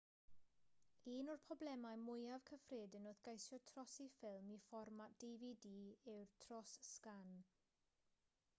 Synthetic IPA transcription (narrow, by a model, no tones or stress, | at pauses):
iːnɔrpʰɔblɛmajmʊjavkʰəfreːdənoθɡ̥ajsjɔtʰrɔsifɪlˠmifɔrmad̥evidiːɪwrtʰrɔsskan